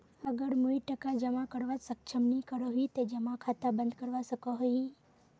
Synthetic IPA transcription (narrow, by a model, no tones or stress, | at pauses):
əɡəɽmuiʈəkad͡ʒəmãkəɾʋasəkt͡ʃʰəmnikəɾoɦit̪ed͡ʒəmakʰat̪abənd̪kəɾʋasəkaɦoi